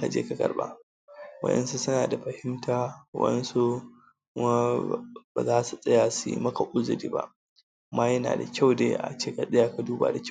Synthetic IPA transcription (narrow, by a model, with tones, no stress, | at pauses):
ka˨d͡ʒḛ˦ka˨ɡʼɐ̰˨ɾba̰˦ | wɐ̰˦ʔɛ̰˦nsu˦sʊ˦naː˨da˨ɸɐ˨hɪ˦mtʰaː˦wɐ̰˦ʔnsu˦ | kʊ˦ma˦baː˨zaː˦su˨sʼɐ˦jaː˨sṵ˦mɐ˦ka˨ʔʷʼʊ˦zʊ˨ɾiː˦ba̰˦ʔ | maː˦jɐ˦na̰ː˨da˨kʲa˦˨wdeː˦ʔa̰˨t͡ʃeː˦ka˨sɪ˦jaː˨ka˨duː˦ba̰ː˨da˨kʲ